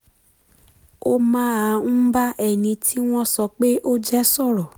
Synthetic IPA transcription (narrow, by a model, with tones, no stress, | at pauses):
o˦mã˦a˨˧ñ̩˦ba˦ʔɛ˨nĩ˧tʰi˦w̃ɔ̃˦sɔ˧k͡pe˦ʔo˦d͡ʒɛ˦sɔ˦˨ɾɔ˨